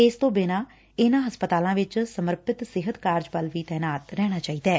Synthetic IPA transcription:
ɪːst̪õːbɪnãː | ɪnãːɦəspət̪aːlãːʋɪt͡ʃsəməɾpɪt̪sɪɦət̪kaːɾd͡ʒʋəlʋiːt̪ɛːnaːt̪ɾɛːɽ̃aːt͡ʃaːiːd̪ɛː

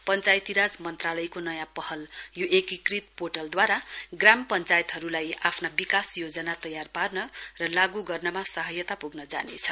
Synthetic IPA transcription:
pʌnt͡sajt̪iɾad͡zmʌnt̪ralʌjkonʌjãpʌɦʌljoʔekikrit̪poʈʌld̪waɾaɡrampʌnt͡sajt̪ɦʌɾulajapʰnabikasjod͡zʌnat̪ʌjarparnʌrʌlaɡuɡʌrnʌmasʌɦʌjʌt̪apuɡnʌd͡za̰nḛt͡sʰʌ̥

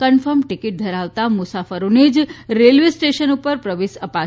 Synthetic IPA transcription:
kənfəɾmʈikiʈ̚d̪ʱəɾaʋt̪amʊsafəɾoned͡ʒɾelʋeisʈeʃənupəɾpɾəʋeʃəpa

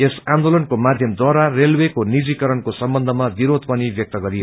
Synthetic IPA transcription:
esand̪olʌnkomad̪ʱjʌmd̪waɾarelwekonid͡zikʌɾʌnkosʌmbʌnd̪ʱʌmab̪iɾod̪̚pʌnibjʌk̚t̪ʌɡʌɾi

